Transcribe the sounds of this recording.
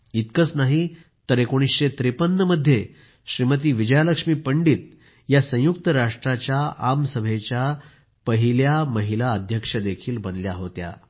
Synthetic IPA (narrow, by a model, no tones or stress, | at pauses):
it̪̚kət͡snaɦi | t̪əɾekoɽ̃isɕet̪ɾipənːəməd̪ʱːje | ɕɾimət̪̬iːʋid͡ʑəjaləkʂmiːpəɳɖiːt̪̚ | jasə̃juk̚t̪əɾaʂʈɾat͡ɕjaamsəbʱet͡ɕja | pəɦiljaməɦilaəd̪ʱjəkʂəd̪ekʰiːlbənljaɦot̪ja̰